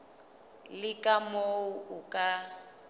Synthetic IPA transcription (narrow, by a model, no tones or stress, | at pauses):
lɪkʼamouukʼa